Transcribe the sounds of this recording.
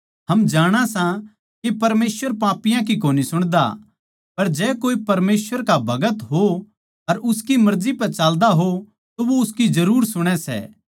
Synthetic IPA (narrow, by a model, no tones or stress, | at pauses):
ɦɐmd͡ʒaːɽ̃asã | kipɐɾmeːsʋəɾpaːpɪjãk̬ikoːnisʊɽ̃d̪a̰ | pɐɾd͡ʒɛːkoːipɐɾmeːsʋəɾkabʱɐɡət̪ɦo | ɐɾʊskimɐɾzipɐɾt͡ʃaːld̪aɦo | t̪oʋoʊskid͡ʒɐɾuːɾsʊɽ̃ɛsɛ̰ː